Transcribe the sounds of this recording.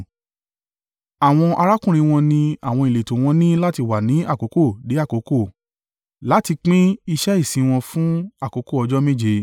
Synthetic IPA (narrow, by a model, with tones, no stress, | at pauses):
a˨w̃ɔ̃˧ʔa˧ɾa˦kũ˦ɾ̃ĩ˧w̃ɔ̃˧nĩ˧a˨w̃ɔ̃˧i˨le˨tõ˨w̃ɔ̃˧nĩ˦la˦ti˧wa˨nĩ˨˦a˦˨ko˨˦ko˦˨de˨˦a˦˨ko˨˦ko˦˨ | la˨˦ti˧k͡pĩ˦i˧ʃɛ˦i˦˨sĩ˧w̃ɔ̃˧fũ˦a˦˨ko˨˦ko˦˨ɔ˧d͡ʒɔ˦mẽ˦d͡ʒe˧